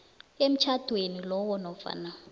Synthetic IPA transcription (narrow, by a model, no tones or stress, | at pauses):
em̩t͡ʃʰad̥ʱwenilɔwɔnɔfa̰na